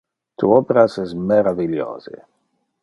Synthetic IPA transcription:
t̪uɔpeɾasɛsmeɾaviljo̰ːz̥ḛ

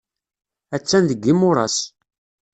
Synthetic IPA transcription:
æt͡sːænðəɡːimʊɾˤɑs

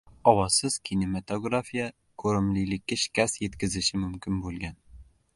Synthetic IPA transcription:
ɒwɒsɪz̥kʲʰinemat̪oɡɾafija | kʰɵɾɪmlilɪkʲːaʃkʲasjet̪kʲɪzɪʃɪmɵmkʲɪnbɵlˠɡʲan

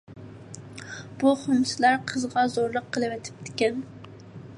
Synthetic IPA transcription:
b̥uχʊmsɪlæɾqʰəzʁɑzoɾlˠəqʰːəlˠɨwɛt̪ʰɪ̥p̚t̪ʰɪ̥kʲɛn

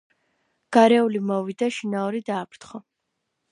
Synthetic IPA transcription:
ɡ̥aɾɛulimɔvid̪aʃinaɔɾid̪aːpɾt̪χɔ

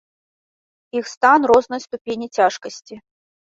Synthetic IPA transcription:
ixst̪anrɔznɨjst̪upʲenʲit͡sʲaʂkɐsʲt͡sʲi

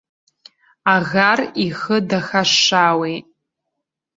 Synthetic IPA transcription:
aɣarixɨdaxaʂaːwejʼ

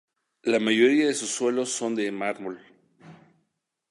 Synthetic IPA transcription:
lamaʝo̞ɾiaðe̞susːwe̞lo̞sːo̞nd̪e̞maɾmol

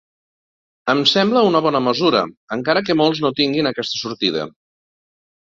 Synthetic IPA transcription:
əmsɛmbləunəβ̞ɔnəməzuɾə̰əŋkaɾəkəmolˠznot̪iŋɡinəkɛst̪ə̥suɾt̪iðə̰

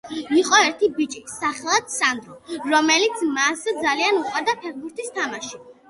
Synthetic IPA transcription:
iqʼɔɛɾt̪ʰibit͡ʃʼisaχɛlˠad̪sand̪ɾɔɾɔmɛlit̪sʰmasd̪zalianuqʼwaɾd̪apʰɛɾbuɾt̪ʰist̪ʰamaʃi

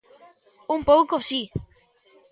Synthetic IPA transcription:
umpowkosi

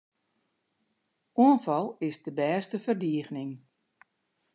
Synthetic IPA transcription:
uənfɑlˠɪsdəbɛːstəfərdiəɣnɪŋ

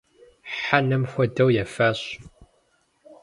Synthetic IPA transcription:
ħanɨmxʷɔdɐwjɛfaːɕ

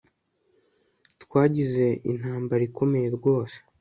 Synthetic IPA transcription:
twaːɟize̞ḭn̥haːmbaɾikʰo̞me̞je̞ɾɡwo̞ːse̥

